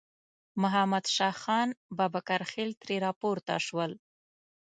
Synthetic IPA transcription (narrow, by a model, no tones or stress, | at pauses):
mʊɦamad̪ʃɑxɑnbɑbakaɾxelt̪ɾeɾɑpoɾt̪a̰ʃwəl